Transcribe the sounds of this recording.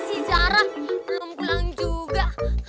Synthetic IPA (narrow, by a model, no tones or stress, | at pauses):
sit͡ʃaɾalumkulaŋd͡ʒuɡaʔh